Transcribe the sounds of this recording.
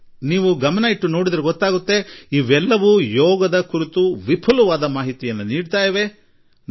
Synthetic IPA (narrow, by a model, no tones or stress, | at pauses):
niːʋuɡɐmɐnɐjiʈːuno̞ːɽid̪ɐɾeɡɔt̪ːaːɡut̪ːe̞iʋɛlːɐʋujɔːɡɐd̪ɐkuɾit̪uʋipʰɐlɐʋaːd̪ɐmaːɦit̪ijɐnːuniːɖt̪aːjɐʋe̞